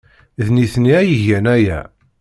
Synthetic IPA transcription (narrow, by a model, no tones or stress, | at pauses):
ðniθniæjəʝænæjæ̰